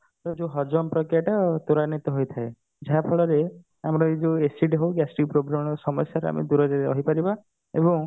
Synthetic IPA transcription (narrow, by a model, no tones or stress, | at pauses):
t̪ɔd͡ʒuɦɔd͡ʒɔmpɾɔkɾijaʈat̪oɾanit̪ɔɦojt̪ʰae | d͡ʒaɦapʰɔɭɔɾe | amɾɔid͡ʒuesiʈɦowɡɛsʈiŋ̚pɾoɡɾamɔɾɔsɔmɔsjaɾa̰mḛd̪uɾɔd͡ʒaɾeɔɦipaɾiba | ebɔ̃ŋ